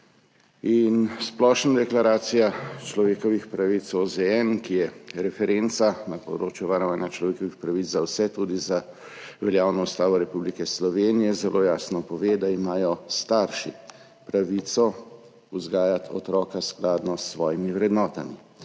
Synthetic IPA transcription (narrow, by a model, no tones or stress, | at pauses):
insplɔːʃnad̪ɛklaɾaːt̪sijat͡ʃlɔʋeːkɔʋixpɾaʋit̪sɔzɛɛnkijɛɾɛfɛɾent̪sanapɔd̪ɾoːt͡ʃjuʋaɾɔʋaːnjat͡ʃlɔʋeːkɔʋixpɾaʋit͡s̪zzawsɛt̪uːd̪iza | ʋɛljaːwnɔust̪aːʋɔɾɛpublikɛslɔʋeːnijɛzɛlʔoːjaːsnɔpɔʋeːd̪aimaːjɔst̪aɾʃḭ | pɾaʋit̪sɔ | uzɡaːjat̪ʰɔ̰t̪ɾɔːkasklaːd̪nɔsːʋɔːjimiʋɾɛd̪nɔːt̪ami